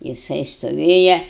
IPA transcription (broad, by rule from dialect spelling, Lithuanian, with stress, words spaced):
jɪˈsɐɪ stoːˈʋʲeːjɛ